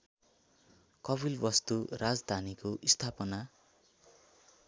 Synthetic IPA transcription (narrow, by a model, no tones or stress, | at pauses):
kʌbulbʌst̪urad͡zd̪ʱanikoʔist̪ʰapʌna